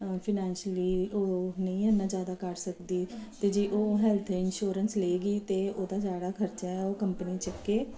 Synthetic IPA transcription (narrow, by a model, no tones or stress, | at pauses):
pʰɪnɛ̃ːnʃəliːoːnəĩːənːãːd͡ʒjaːd̪aːkəɾsəkd̪iːt̪eːd͡ʒiːʔoːɦɛːlt̪ʰɪnʃoːɾənsleːɡiːt̪eːʔoːd̪aːd͡ʒaːɽaːkʰəɾt͡ʃaːɛːoːkəmpəniːt͡ʃəkːeː